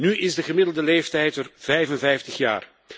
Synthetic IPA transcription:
nyʔɪzdəɣəmɪdəl̩ˠdəlejftɛjtərv̥ɛjvənvɛjftəχja̰ːr

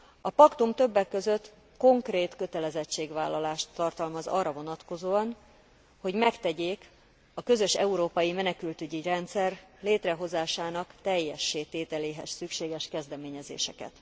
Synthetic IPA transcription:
ɒpɒkt̪umt̪ø̞bːɛkːø̞zø̞t̪ː | ko̞ŋkreːt̪kø̞t̪ɛlɛzɛt͡ʃːeːɡvaːlːɒlaːʃt̪ːɒrt̪ɒlmɒzɒ̰rːɒvo̞nɒt̪ko̞zoːɒn | ho̞ɟmɛkt̪ɛɟeːk | ɒkø̞zø̞ʃɛ̰uɾoːpɒjimɛnɛkylt̪yɟirɛnt̪sɛrleːt̪rɛɦo̞zaːʃaːnɒkt̪ɛjːɛʃːeːt̪eːt̪ɛleːɦɛ̰ssykʃeːɡɛʃkɛzd̪ɛmeːɲɛzḛːʃɛ̰kɛ̰t̪

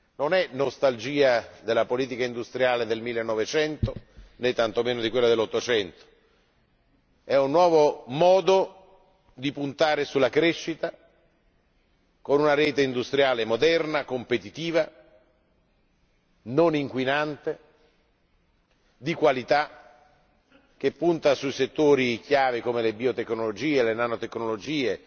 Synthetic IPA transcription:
nonɛnːost̪ald͡ʒiːad̪elːapoliːt̪ikaind̪ust̪ɾjaːled̪elmilːenːɔvet͡ʃɛnt̪onet̪ːant̪omeːnod̪ikwelːad̪elːɔt̪ːot͡ʃɛnt̪o̥ | ɛunːwɔːvomɔːd̪o | d̪ipunt̪aːɾesulːakɾeʃːit̪a | konunaɾɛːt̪eind̪ust̪ɾjaːlemod̪ɛrnakompet̪it̪iːva | noniŋkwinant̪e | d̪ikwalit̪a | k̟epːunt̪asuiset̪ːoːɾik̟jaːvikomelebiot̪eknolod͡ʒiːelenanot̪eknolod͡ʒiːe

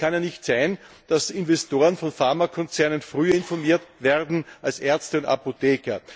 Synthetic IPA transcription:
kʰanjaːnɪçtsæɪn | d̥asɪnvɛstoːʁənfɔnfaɐmakʰɔnt͡sɛɐnənfʁyːɐɪnfɔɐmiːɐtvɛɐdn̩alsʔɛɐt͡stəʊnta̰poteːkɐ

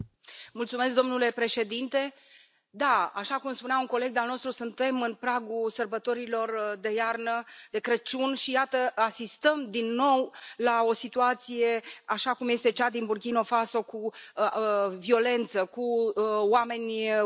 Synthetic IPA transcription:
mult̪sume̞s̬kd̪o̞mnule̞pɾe̞ʃe̞d̪int̪e̞ | d̪aaʃakumspuneauŋko̞le̞ɡ̚d̪alno̞st̪ɾusunt̪e̞mɨnpɾaɡusərbət̪o̞ɾilo̞rd̪e̞jarnəd̪̥e̞kɾət͡ʃunʃijat̪əasist̪əmd̪inːo̞wlao̞sit̪uat̪sije̞aʃakumje̞st̪e̞t͡ʃad̪inburkʲino̞faso̞ku | vio̞le̞nt̪səkuwame̞nʲ

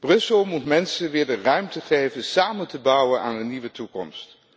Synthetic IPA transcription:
b̥rɵsəlˠmutmɛnsənʋɪːɹdərœɥmtəχejvənsaːməntəbɑwənʔa̰ːndəniʋətukɔ̰mst

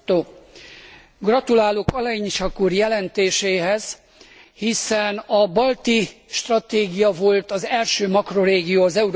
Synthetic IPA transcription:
oː | ɡrɒt̪ulaːlokɒlɒjiɲʃɒkurjɛlɛnt̪eːʃeːɦɛz̥ | hisɛnɒbɒlt̪iʃt̪rɒt̪eːɡijɒvo̞lt̪ɒzɛlʃøːmɒkro̞ɾeːɡijoːɒzɛuɾ

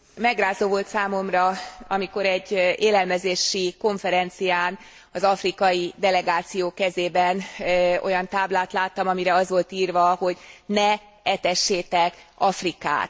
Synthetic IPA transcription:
mɛɡraːzoːvo̞lt̪saːmo̞mrɒɒmiko̞ɾɛɟːeːlɛlmɛzeːʃiko̞ɱfɛɾɛnt̪sijaːn | ɒzɒfrikɒjid̪ɛlɛɡaːt̪sijoːkɛzeːbɛno̞̰jɒnt̪aːblaːt̪laːt̪ːɒmɒmiɾɛɒzʋo̞lt̪iːrvɒho̞ɟnɛ | ɛt̪ɛʃːeːt̪ɛkɒfrika̰ːt̪

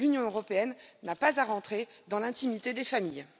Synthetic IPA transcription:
lynjɔ̃øʁɔpeɛnːapazaʁɑ̃t̪χed̪ɑ̃lɛ̃t̪imit̪ed̪efamij

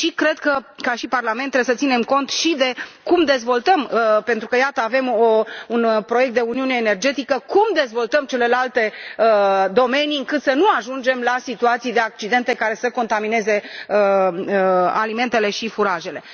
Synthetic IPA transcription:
ʃikɾe̞d̪kəkaʃiparlament̪ːɾebesət̪sine̞mko̞nt̪ʃid̪e̞kumd̪e̞zvo̞lt̪əmpe̞nt̪ɾukəjat̪əave̞mounpɾojekt̪d̪e̞uniune̞ːne̞rd͡ʒe̞t̪ikəkumd̪e̞zvo̞lt̪əmt͡ʃe̞le̞lalt̪e̞əd̪o̞me̞niɨŋkɨt̪sənuaʒund͡ʒe̞mlasit̪uat̪sijd̪e̞ak̚t͡ʃid̪e̞nt̪e̞kaɾe̞səko̞nt̪amine̞ze̞ə | alime̞nt̪e̞le̞ʃifuɾaʒe̞le̞

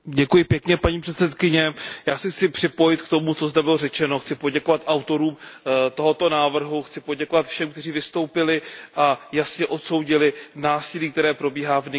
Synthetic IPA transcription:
ɟɛkujɪpjɛkɲɛpaɲiːpr̥ɛt̪sɛt̪kɪɲɛjaːsɛxt͡sɪpr̥ɪpo̞jɪt̪kt̪o̞mut͡so̞zd̪ɛbɪlo̞rɛt͡ʃɛno̞xt͡sɪpo̞ɟɛko̞vat̪ʔawt̪o̞ɾuːmt̪o̞ɦo̞t̪o̞naːvr̩ɦuxt͡sɪpo̞ɟɛko̞vat̪fʃɛmkt̪ɛr̝iːvɪst̪o̞wpɪlɪʔajasɲɛʔo̞t̪so̞wɟɪlɪnaːsɪliːk̚t̪ɛɾɛːpɾo̞biːɦaːvnɪ

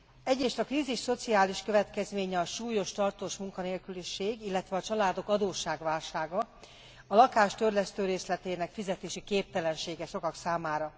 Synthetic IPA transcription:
ɛɟɾeːʃt̪ɒkriːziʃso̞t̪siaːliʃkø̞vɛt̪kɛzmeːɲɛɒʃuːjo̞ʃt̪ɒrt̪oːʃmuŋkɒneːlkyliʃeːɡilːɛt̪ʋɛɒt͡ʃɒlaːd̪o̞kɒd̪oːʃaːɡʋaːlʃaːɡɒ | ɒlɒkaːʃt̪ørlɛst̪øːɾeːslɛt̪eːnɛkfizɛt̪eːʃikeːp̚t̪ɛlɛnʃeːɡɛʃo̞kɒksaːmaːɾɒ

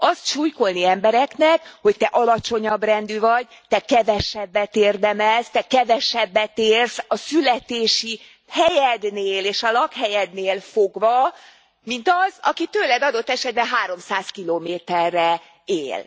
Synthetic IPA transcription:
ʔɒst̪ʃuːjko̞lniɛmbɛɾɛknɛkho̞ct̪ɛʔɒlɒt͡ʃo̞ɲɒbrɛnd̪yvɒɟ | t̪ɛkɛvɛʃɛbːɛt̪eːrd̪ɛmɛlst̪ɛkɛvɛʃɛbːɛt̪eːrsɒsylɛt̪eːʃi | hɛjɛd̪neːleːʃɒlɒkhɛjɛd̪neːlfoɡvɒ | mint̪ɒzɒkit̪øːlɛd̪ɒd̪o̞t̪ːɛʃɛd̪̚bɛɦaːɾo̞msaːskiloːmeːt̪ɛrːɛ | eːl

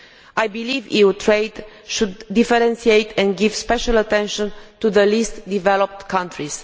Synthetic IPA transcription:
ʔajbilivḭut̪ʰɾejd̪ | ʃud̪ːifɛɾɛ̃nsiejt̪ʰɛ̃nd̪ɡivspɛʃalat̪ɛ̃nʃə̃nt̪uðəlist̪d̪ivɛlop̚t̪kʰãnt̪ɾiz̥

